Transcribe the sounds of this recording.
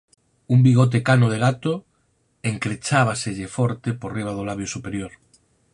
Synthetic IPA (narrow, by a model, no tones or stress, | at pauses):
umbiɣ̞ot̪̬ekanoðeɣat̪o | eŋkɾet͡ʃaβ̞aseʎefɔɾt̪eporiβ̞að̞olaβjosupeɾjoɾ